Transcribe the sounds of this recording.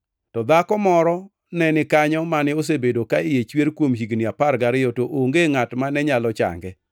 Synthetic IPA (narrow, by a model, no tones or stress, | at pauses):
tɔd̪akɔmɔɾɔ | nɛnɪkaɲɔmanɪos̬ebedokaɪjet͡ʃweɾkwomɦiɡniapaɾɡaɾɪjɔtoʔoŋɡeŋatmanɛɲalɔt͡ʃa̰ŋɡɛ